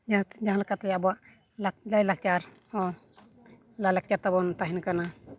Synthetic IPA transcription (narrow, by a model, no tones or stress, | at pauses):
d͡ʒd͡ʒaɦalakat̪ɛjabɔwaʔ | lalajlak̚t͡ʃaɾ | ɔ | lajlak̚t͡ʃaɾt̪abɔnt̪aɦinakana